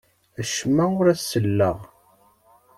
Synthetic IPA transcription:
əʃmæʊɾæsːəlːəʁ

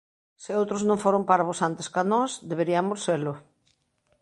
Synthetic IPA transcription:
sɪowt̪ɾoznõŋfoɾompaɾaβosant̪eskanɔsðeβeɾiamosseɾlʊ

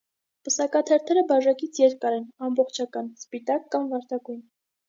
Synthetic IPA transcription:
pəsɑkɑt̪ʰɛɾt̪ʰɛɾəbɑʒɑkit͡sʰjɛɾkɑɾɛnɑmbɔχt͡ʃʰɑkɑnspit̪ɑkːɑmvɑɾt̪ʰɑɡujn

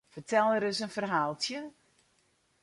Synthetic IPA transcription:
fərtʰɛlˠəɾəsənfərɦaːlˠtjə

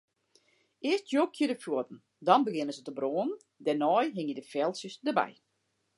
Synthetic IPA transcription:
ɪəstjoːkʰjədəfjuətn̩ | dɔnbəɡɪnəzətəbroːən | dɛnɔjɦɪŋjədəfɛlˠsəsdəbɛ̰j

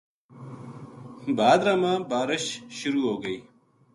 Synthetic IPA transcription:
baːd̪ɾamãːbaːɾɪɕɕuɾuːoːɡəi

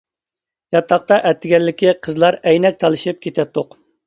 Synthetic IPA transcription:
jɑt̪ʰːɑqt̪ɑʔɛt̪ʰːɪɡʲɛlːɪkʲiqʰəzlˠɑɾɛjnɛk̚ʲt̪ʰɑlˠɨʃip̚kʲʰet̪ʰɛt̪ʰːoq

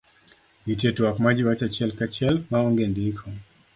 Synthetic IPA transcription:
nitɛtuwakmad͡ʒiwat͡ʃat͡ʃɛlkat͡ʃɛlmaɔŋɡɛndikʰɔ

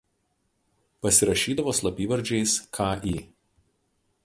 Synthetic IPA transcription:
pɐsʲɪɾɐʃʲiːd̪ɐʋoːslˠɐpʲiːʋɐɾʲd͡ʒʲɛɪskʰaʔiː

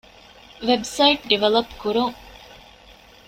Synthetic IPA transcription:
ʋebsɐjiʈ̚ɖiʋɐlɐpkuɾuŋ

